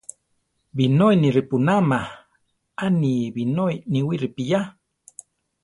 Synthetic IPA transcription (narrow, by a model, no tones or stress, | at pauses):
binojniɾipunama | aniβinojniwiɾipija